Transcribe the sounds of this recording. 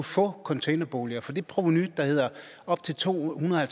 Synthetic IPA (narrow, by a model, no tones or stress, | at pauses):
ufɔ̰̽ːkʰɒ̽nt͡sʰḛɪnɐb̥o̝ːliɐfɒ̽d̥e̝̥pʰʁoʋonyd̥ɑ̈he̝ð̞̰ˠɐ | ɒ̽b̥̚t͡sʰe̝lt͡sʰo̝̰ːhunɐðˠhælt͡sʰ